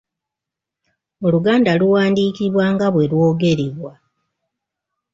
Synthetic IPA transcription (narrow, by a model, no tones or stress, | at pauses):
oluɡaːndaluwaːndiːkiβwaŋɡaβwe̞lwo̞ːɡe̞ɾiβwa